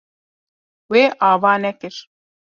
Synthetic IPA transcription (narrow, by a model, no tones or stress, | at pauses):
weːʔɑːvɑːnɛkɨɾ